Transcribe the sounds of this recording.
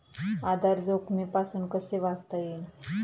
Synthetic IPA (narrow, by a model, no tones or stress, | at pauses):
ad̪ʱaɾd͡zokmipasuːnkəseʋast̪əin